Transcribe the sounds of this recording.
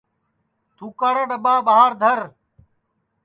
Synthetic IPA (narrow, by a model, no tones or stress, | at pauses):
t̪uːkaɾəɖəɓaːbaːɦaːɾd̪ʱəɾ